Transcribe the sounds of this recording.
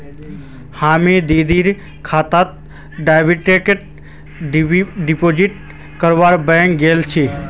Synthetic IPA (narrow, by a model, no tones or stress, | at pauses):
haːmẽd̪iːd̪iːɾ | kʰaːt̪aːt̪̚ | ɖaːjbiʈekeʈ | ɖipoːd͡ʒiʈ̚ | kəɾʋaːɾbɛ̃ːŋkɡeːlt͡ʃʰiː